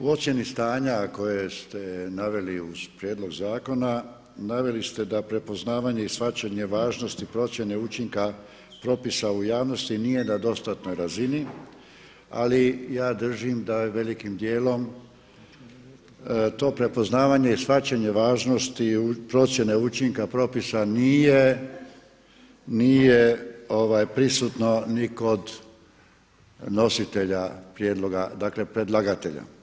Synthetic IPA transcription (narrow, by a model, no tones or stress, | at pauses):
uo̞sʲje̞nist̪aːɲako̞jest̪e̞naʋe̞liuz̥pɾjeːd̪lˠo̞ɡzaːko̞na | naʋe̞list̪e̞d̪apɾe̞po̞znaːʋaɲe̞isfat͡ʃaɲe̞ʋaːʒno̞st̪ipɾo̞t̪sje̞ne̞ut͡ʃiŋka | pɾo̞pisaujaːʋno̞st̪inije̞nad̪o̞st̪at̪no̞jɾazini | a̰lijaːd̪r̩ʒimd̪aʋe̞likimd̪jeːlo̞m | t̪o̞ːpɾe̞po̞znaːʋaɲe̞isfat͡ɕaɲe̞ʋaːʒno̞st̪iupɾo̞t̪sje̞neut͡ʃiŋkapɾo̞pisanije | nijeo̞ʋajpɾisut̪no̞niko̞d̪ | no̞sit̪e̞ʎapɾjeːd̪lˠo̞ɡad̪akle̞pɾe̞d̪lˠaɡat̪e̞ʎa̰